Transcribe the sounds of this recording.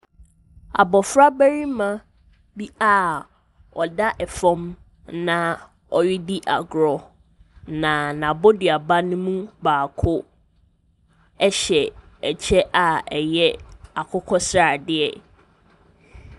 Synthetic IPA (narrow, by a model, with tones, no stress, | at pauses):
a̰˨bɔ˨fɾa˦bæ˦ɾi˦mã˦ | bi˦a˦˨ | ɔ˨da˦ʔɛ˨fɔ̃˦m | nã˦ | ɔ˦ɥɪ˦di˦ʔa˨ɡɾɔ˨ | nã˨nã˨bo˦dɪ˨a˨ba˦nʊ̃˦mũ˦baː˨kʰʊ˦ | ɛ˦ɕɛ˨ | ɛ˨t͡ɕʰɛ˦ʔa˨ɛ˨jɛ˦a˨kʰʊ˦kʰɔ˦sɾa˨dɪ˦ɛ˨